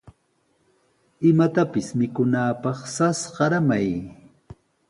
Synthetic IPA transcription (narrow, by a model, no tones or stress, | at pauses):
ɪmat̪apɪsmɪkʊnaːpɑχsasɢɑɾamaj